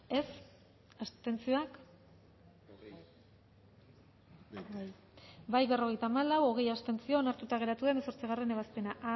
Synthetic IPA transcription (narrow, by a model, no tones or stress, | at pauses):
e̞s | ast̪e̞nt͡sioak | baj | bajβe̞ro̞ɣ̞e̞jt̪aːmalawo̞ɣ̞e̞jast̪e̞nt͡sio̞naɾt̪ut̪aɣ̞e̞ɾat̪uðenso̞ɾt͡siɣare̞ne̞βaspe̞naʔa